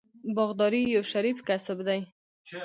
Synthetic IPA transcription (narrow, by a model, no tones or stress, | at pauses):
bɑɣd̪ɑɾijawʃaɾifkasabd̪aj